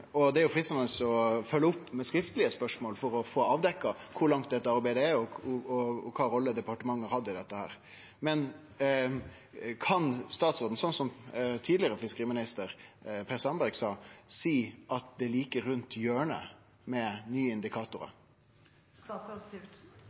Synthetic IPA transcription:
ɔd̪ɛæɾjʊfɾɪːst̪ɑnəsɔfœlːəʊpːmɛskɾɪft̪əlɪəspœʂmoːlfɔɾɔfoːɑːʋd̪ɛkːɑkʰʊɾɭɑŋt̪d̪ɛt̪ːəɑɾbæɪd̪əæɔɔɔkʰɑːɾɔlːəd̪ɛpɑʈəmɑŋːəɾhɑd̪ːəɪd̪ɛt̪ːəhæ̰ːɾ | mɛn | kʰɑnst̪ɑːt̪soːd̪n̩sɔnsɔmt̪ʰiːd̪lɪəɾəfɪskəʁiːmɪnɪst̪əɾpʰɛɾsɑnbæɾɡsɑːsiːʔɑt̪̚d̪ɛliːkəɾːʉnt̪ʰjøːɳə̰ | mɛnyːəɪnd̪ɪkʰɑːt̪ʊɾə̰

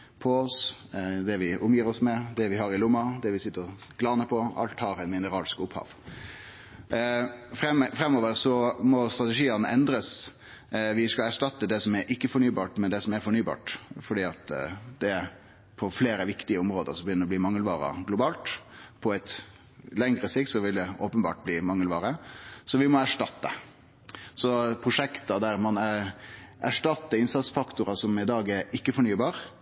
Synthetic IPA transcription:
pʰɔɔsd̪ɛʋɪʔʊmjiːɾɔsmɛd̪ɛʋɪhɑɾɪlʊmːɑd̪ɛʋɪsɪt̪ːəɾɔɡ̥lɑːnəpʰɔɑ̰lt̪hɑɾæɪnmɪnəɾɑːlskʊphɑ̰ːʋ | ɛfɾɛmːoːʋəɾsɔmɔst̪ɾɑt̪ɛʂiːɑnəʔɛnd̪ɾəs | ʋɪskɑlæʂʈɑt̪ːəd̪ɛsɔmæɾʔɪkːəfɔɳyːbɑːʈmɛnd̪ɛsɔmæɾfɔɳyːbɑ̰ːʈfɔɖiːɑt̪d̪̥ɛ | pʰɔfleːɾəʋɪkt̪ɪəʊmɾoːd̪ə̰ɾsɔbəjʏnːəɾɔbliːmɑŋːəlʋɑːɾɑ̰ɡlʊbɑːlt̪pʰɔɛt̪ | lɛŋɾəsɪk̚t̪sɔʋɪld̪ɛoːpənbɑ̰ːʈ̚bliːmɑŋːəlʋɑːɾəsɔʋɪmɔæʂʈɑt̪ːə | sɔpʰʁʊʂɛkt̪ɑd̪æɾmɑn | æʂʈɑt̪ːəɪnsɑt̪sfɑkt̪ʊɾɑsɔmɪd̪ɑːɡæɾɪkːəfɔɾɳyːbɑːɾ

